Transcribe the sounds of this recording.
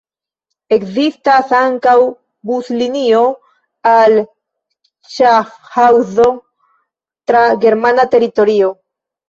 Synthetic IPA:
e̞kzistasaŋkaw | buslinio̞ | al | t͡ʃahawzo̞ | tɾaɡe̞ɾmanate̞ɾito̞ɾio̞

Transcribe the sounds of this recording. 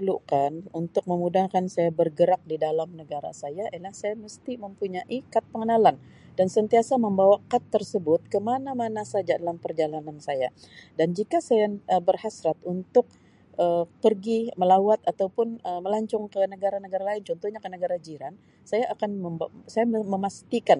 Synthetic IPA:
lukanunt̪ʊk̚məmudahkansajabərɡəɾak̚didalamnəɡaɾa̰sajaʔilahsajaməst̪iməmpuɲaʔikat̪̚pəŋənalan | dansənt̪iasaməmbawakat̪ːərsəbʊt̪̚kəmanamanasad͡ʒadalampərd͡ʒalanansajadand͡ʒikasajaəbərhasɾat̪̚unt̪ʊk̚ | ʔəpərɡiməlawat̪at̪awpʊnəməlaɲt͡ʃɔŋkənəɡaɾanəɡaɾalaɪnt͡ʃɔnt̪ɔhɲakənəɡaɾad͡ʒiɾan | sajaʔːkanəsajaməmast̪ikan

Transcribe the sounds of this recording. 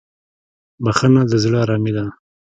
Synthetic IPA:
baxənad̪əzɽəaɾɑmid̪a

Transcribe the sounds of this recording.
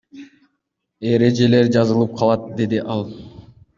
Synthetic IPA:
e̞ɾe̞d͡ʒe̞le̞ɾd͡ʒɑzɯlˠɯp̚qʰɑlˠɑt̪̚d̪e̞d̪iʔɑlˠ

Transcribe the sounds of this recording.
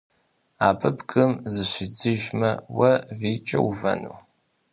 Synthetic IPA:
aːpʰɨbkʼɨmzɨɕʷid͡zɨʒmɐwɐviːt͡ʃʼɐwuvɐ̰nṵː

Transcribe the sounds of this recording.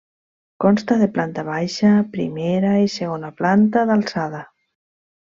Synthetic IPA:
kɔnst̪aðeplant̪aβ̞ajʃapɾḭmeɾaiseɣ̞onaplant̪aðalˠsað̞a

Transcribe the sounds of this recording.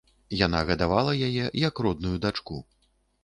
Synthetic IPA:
jan̪aɣɐd̪avalˠɐjajɛjɐkrɔd̪̚nujud̪at͡ʂku

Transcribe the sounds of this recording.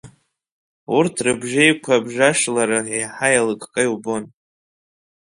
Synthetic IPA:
urtʰrɨbʒejkʷʰabʒaʂlaɾaejħajalɨkʼkʼajubon

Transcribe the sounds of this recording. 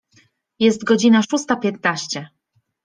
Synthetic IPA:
jɛst̪ɡɔd͡ʑinaʂust̪apʲjɛt̪naɕt͡ɕɛ

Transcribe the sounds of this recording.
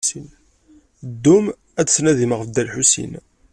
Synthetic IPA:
sin | d̪ːum | æd̪snæðiməʁəfd̪ælħusḭn

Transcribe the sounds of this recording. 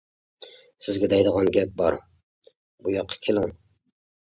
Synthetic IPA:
sɪzɡʲɛd̪æjd̪əʁɑnɡʲɛp̚bɒɾ | bujɑqʰːə̥kʲʰelˠɑn

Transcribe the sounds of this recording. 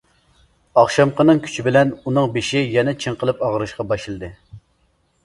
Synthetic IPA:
ɑχʃɑmqʰənɨŋkʲʰy̥t͡ʃʰibɪlɛnunɨŋbeʃijɛnɛt͡ʃʰɨŋqʰəlˠɨpɑʁəɾɨʃqɑbɑʃɨlˠɨd̪ɨ

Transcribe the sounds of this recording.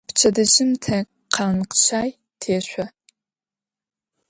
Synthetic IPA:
pt͡ʃʰɐdɨʑɪmtʰɐ | qʰanqə̥ɕaːj | tʰeːɕʷɔ

